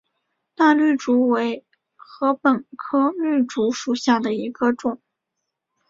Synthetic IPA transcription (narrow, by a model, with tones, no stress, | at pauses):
t̪a˥˧ly˥˩ʈ͡ʂu˧˥we˧˥ɪ | xɤ˧˥pə˨˩nkʰɤ˥ly˥˩ʈ͡ʂu˧˥ʂu˨˩ɕja˥˩d̪ə˩i˧˥ɡ̥ə˧ʈ͡ʂʊ˨˩˦ŋ